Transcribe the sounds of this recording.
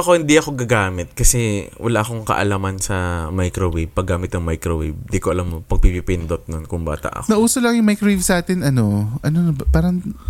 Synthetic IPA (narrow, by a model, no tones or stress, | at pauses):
ɐko̞hɪnd̪iʔɐko̞ɡɐɡaːmɪt̪̚kɐsɛwʔɐ̰laʔɐkoŋkɐ̰ʔɐ̰lamɐnsɐmajkɾowib̚pɐɡːaːmɪt̪̚nɐŋmajkɾowib̚nd̪ikoʔɐlamːopɐɡ̚pipipɪnd̪ot̪̚nonkʊŋba̰ːt̪ɐ̰ʔɐ̰knɐʔuːsolɐŋjʊŋmajkɾowivsaːt̪ɪnɐno̞ʔɐnonɐbɐpaːɾɐŋ